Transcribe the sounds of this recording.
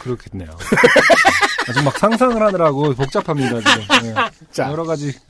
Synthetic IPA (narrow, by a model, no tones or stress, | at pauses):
kɯɾʌkʰednːḛjo | at͡ɕomːak̚sʰaŋsʰaŋɯɭɦadɯɾaɡopok̚t͡ɕ͈apʰamɲidad͡ʑioet͡ɕajʌɾʌɡad͡ʑi